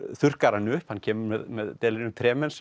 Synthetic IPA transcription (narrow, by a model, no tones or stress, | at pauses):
θʏr̥kaɾanːʏhphanːcʰɛːmʏɾmɛðmɛðt̪ɛlɾɪnʏmt̪ʰɾɛːmɛns